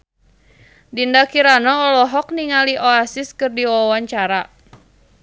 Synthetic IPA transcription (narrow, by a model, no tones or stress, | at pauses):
dindakiɾanɔːlɔɦɔk̚niŋaliʔɔasiskɨrdiwawaɲt͡ʃaɾa